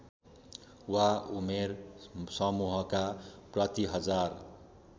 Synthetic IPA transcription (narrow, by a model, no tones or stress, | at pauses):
waumersʌmuɦʌkaprʌt̪iɦʌd͡zar